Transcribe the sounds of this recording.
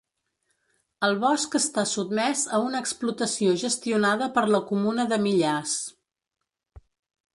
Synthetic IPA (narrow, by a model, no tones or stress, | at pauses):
əlˠβɔskəst̪asud̪mɛzəunəːksplut̪əsioʒəst̪iunaðəpəɾləkumunəðəmiʎas